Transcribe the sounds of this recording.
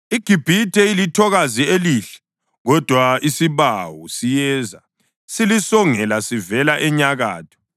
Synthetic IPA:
iɡ̥ʱib̥ʱitʼɛilitʰɔɣazieliɬɛ̥ | ɣɔd̥ʱwaisiβawṵsijɛːza | silisɔŋɛlasivɛlaʔɛɲaɣa̰ːtʰɔ̥

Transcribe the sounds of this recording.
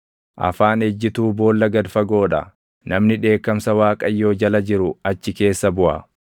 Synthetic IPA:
ʔɐ̰faːnɛd͡ʒːɪt̪uːbo̞ːlːɐɡɐd̪fɐɡo̞ːᶑɐ̰ | nɐmnɪᶑe̞ːkːɐmsɐwaːkʼɐjːo̞ːd͡ʒɐlɐd͡ʒɪɾʊɐt͡ʃːɪke̞ːsːɐbʊʔɐ̰

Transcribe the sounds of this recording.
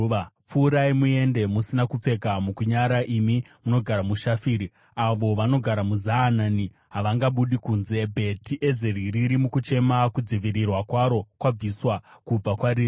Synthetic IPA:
ap͡fuːɾaimue̞nde̞musinakup͡fe̞kamukuɲaɾaʔimimuno̞ɡʱaɾamuʃafiːɾi | aʋo̞ʋano̞ɡʱaɾamuzaːnani | ɦaʋaŋɡaɓuɗikunze̞bʱe̞tiʔe̞zeɾiɾiɾimukut͡ʃe̞makud͡ziʋiɾirwakwaɾo̞kwab͡viswakub͡vakwaɾiːi

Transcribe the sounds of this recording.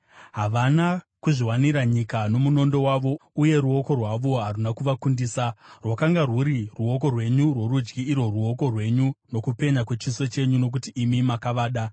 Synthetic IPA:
ɦaʋana | kuʐiwaniɾaɲikano̞muno̞ndo̞waʋo̞uje̞ɾuo̞ko̞rwaʋo̞ɦarunakuʋakundiːsarwakaŋɡaruɾiruo̞ko̞rwe̞ɲurwo̞ɾud͡ʒɡiːɾo̞ruo̞ko̞rwe̞ɲuno̞kupe̞ɲakwe̞t͡ʃiso̞t͡ʃe̞ɲuno̞k̬utiːmimakaʋaːɗa

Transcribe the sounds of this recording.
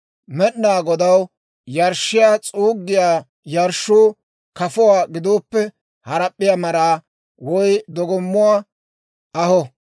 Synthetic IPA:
mɛɗnaːɡɔd̪ɐw | jɐɾʃːɪjaːt͡sʼuːɡːɪjaː | jɐɾʃːuː | kɐfʊwaːɡɪd̪oːpːɛ | hɐɾɐpʼːɪjaːmɐɾaː | wɔjd̪ɔɡɔmːʊwaː | ʔɐhɔ

